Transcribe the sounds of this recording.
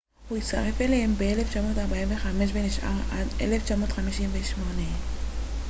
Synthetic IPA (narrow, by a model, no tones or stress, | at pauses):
huit͡sta̰ʁe̞felehembeeleft͡ʃamo̞ːtaʁbaimve̞χame̞ʃ̬beniʃʔa̰ʁadʔe̞̰left͡ʃamo̞ːtχamiʃimveʃmo̞ne